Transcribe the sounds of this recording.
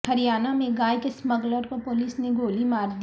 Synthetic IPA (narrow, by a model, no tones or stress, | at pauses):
hɐɾijaːnamẽɡaːjkesməɡləɾkopʊliːsneɡoːlimaːɾd̪